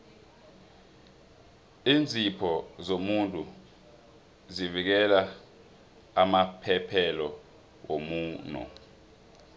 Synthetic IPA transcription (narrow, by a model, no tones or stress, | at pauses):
iːnd͡zʱipʰɔzomuntʼu | zivik̬ɛla | mapʰɛpʰɛlɔ | womuːnɔ̰